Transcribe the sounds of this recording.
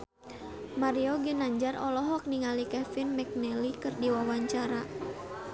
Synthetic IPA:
maɾiɔɡənaɲd͡ʒarɔlɔɦwɔk̚niŋalikɛfinmɛk̚nɛlikɨrdiwawaɲt͡ʃaɾa

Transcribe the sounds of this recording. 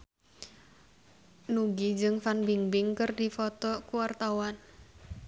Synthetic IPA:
nuɡid͡ʒɨŋfanbiŋbɪŋkərdifɔt̪ɔkuwart̪awan

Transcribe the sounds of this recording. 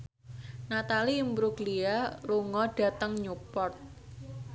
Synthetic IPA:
nat̪alimbɾuɡlialuŋɔɖ̥ä̤t̪əŋɲupɔrt̪̚

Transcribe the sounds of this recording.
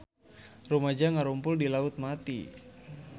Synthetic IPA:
rumad͡ʒaŋaɾumpʊldilaʊt̪̚mat̪ḭ

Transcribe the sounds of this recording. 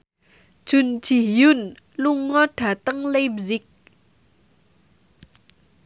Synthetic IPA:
ʒ̥ṳn̥d͡ʒ̥i̤jun | luŋɔɖ̥a̤t̪əŋlebzik̚

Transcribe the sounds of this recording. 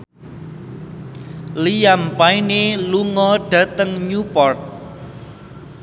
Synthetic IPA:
lijampaineluŋɔɖ̥ä̤t̪əŋɲupɔrt̪̚

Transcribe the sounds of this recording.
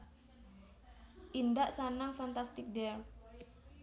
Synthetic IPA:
ʔindaʔsanaŋfant̪ast̪ɪk̚dɛr

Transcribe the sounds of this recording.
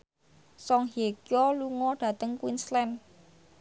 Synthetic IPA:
sɔŋɦekjɔluŋɔɖ̥ä̤t̪əŋkwinslɛn

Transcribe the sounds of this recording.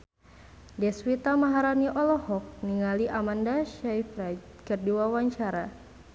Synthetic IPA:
dɛswit̪amaɦaɾaniʔɔlɔhɔk̚niŋaliʔamandaʃajfɾat̪ | kərdiwawaɲt͡ʃaɾa

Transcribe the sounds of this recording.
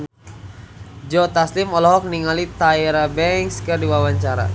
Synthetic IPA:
d͡ʒɔt̪aslimɔlɔɦɔk̚niŋalit̪aiɾabɛŋkskɨrdiwawaɲt͡ʃaɾa̰

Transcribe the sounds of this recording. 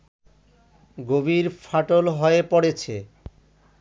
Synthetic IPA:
ɡobiɾfʰaʈolɦɔepɔɽet͡ɕʰe

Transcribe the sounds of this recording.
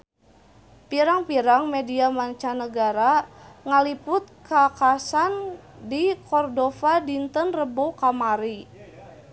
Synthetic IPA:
piɾaŋpiɾaŋmɛdiamaɲt͡ʃanəɡaɾaŋalipʊt̪̚kakasandikɔrdɔfadint̪ənrəbokamaɾi

